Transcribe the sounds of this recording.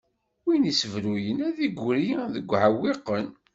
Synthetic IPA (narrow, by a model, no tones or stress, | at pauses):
winisəvɾujənæðiɡʷɾiðəɡʷːʕawːiqən